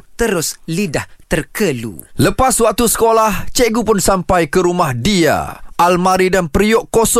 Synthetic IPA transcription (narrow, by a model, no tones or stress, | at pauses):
t̪əɾʊslidaht̪ərkəlṵləpaswak̚t̪usə̥kolaht͡ʃeɡupʊnsampajkəɾumahdia̰ʔalmaɾidanpɾiɔʔkosɔ